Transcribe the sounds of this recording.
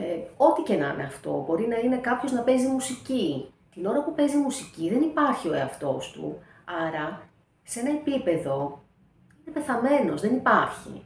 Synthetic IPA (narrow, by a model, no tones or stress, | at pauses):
o̞t̪icenɐ̰nḛɐft̪o̞̰bo̞ɾinɐine̞kɐpço̞znɐpe̞zimusicit̪ino̞ɾɐpupe̞zimusiciðe̞nipɐɾçio̞e̞ɐft̪o̞st̪ṵ | ɐɾɐ | see̞nɐe̞pipe̞ðo̞ | inepe̞θɐme̞no̞zðe̞nipɐɾçḭ